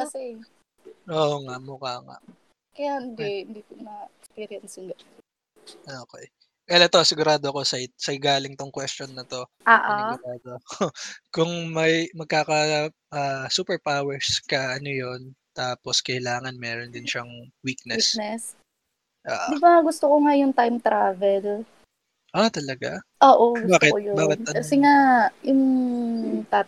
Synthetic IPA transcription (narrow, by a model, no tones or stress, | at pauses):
kɐsɛ | ʔoːʔŋaʔmʊkaːŋa̰ʔ | kɐjahɪnd̪ɛhɪnd̪ikʊnɐɛkspiːɾɐnsɪŋɡɐ | ʔoːkɛj | ʔɛlɛt̪o̞sɪɡʊɾaːd̪oɐko̞sɐɪsɐɪɡaːlɪŋt̪oŋkwɛst͡ʃonːɐt̪o̞ | ʔaʔaʊɾaːd̪okokʊŋmɐjmɐɡ̚kaːkɐ | ʔɐsuːpɛɹpawɛɹskɐʔɐnojo̞nt̪aːpo̞skɐɪlaːŋɐnmɛːɾond̪ɪnʃɐŋwiːk̚nɛsnɛs | ʔa̰ːʔd̪ibaŋaɡʊst̪okoŋajʊŋt̪ajmt̪ɾaːvɛl | ʔat̪ɐlɐɡaʔoːʔoɡbaːkɪtjobaːkɪt̪sɪŋajʊŋ | t̪a